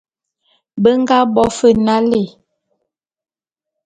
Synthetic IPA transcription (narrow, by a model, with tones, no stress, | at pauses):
bə˦ŋ˦ɡa˦bɔ˦fə˦na˦le˨